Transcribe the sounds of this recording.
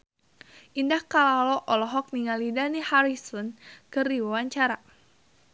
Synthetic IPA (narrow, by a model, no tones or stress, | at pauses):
ʔindahkalalɔʔɔlɔɦɔk̚niŋalidanihaɾisɔnkɨrdiwawaɲt͡ʃaɾa